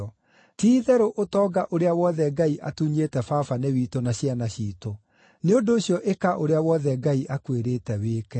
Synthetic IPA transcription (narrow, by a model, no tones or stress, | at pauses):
ɔ | tiːðɛɾoʔotɔːɡaʔoɾeawɔðɛɡaiʔatuɲetɛfafanewiːtonaɕianaɕiːto | neondoːɕjɔʔekaʔoɾeawɔðɛɡaiʔakweɾeːtɛweːkɛ